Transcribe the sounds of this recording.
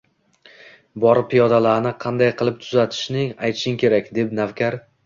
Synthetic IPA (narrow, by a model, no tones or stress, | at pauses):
bɒɾpʰːijɒd̪alaɾnɪqʰɑnd̪ajqʰɨlˠɪp̚t̪ʰʊzat̪ʰɪ̥ʃnɪŋajt̪ʰʃɪŋkʲʰe̞ɾakʲd̪e̞pnavkʲʰaɾ